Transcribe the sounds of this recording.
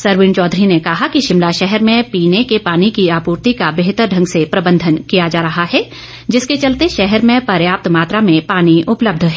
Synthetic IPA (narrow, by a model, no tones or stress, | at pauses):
sɐɾʋɪnt͡ʃɔːd̪ʱɾinekɐɦakiʃɪmlaʃɛɦɛɾmẽpiːnekepaːnikiaːpuːɾt̪ikabeːɦt̪əɾɖʱɐ̃ŋɡsepɾɐbə̃nd̪ʱənkijad͡ʒaːɾɐɦaɦɛː | d͡ʒɪsket͡ʃɐlt̪eʃɛɦɛɾmẽpɐɾjaːp̚t̪maːt̪ɾamẽpaːniʔʊpləb̚d̪ʱɦɛː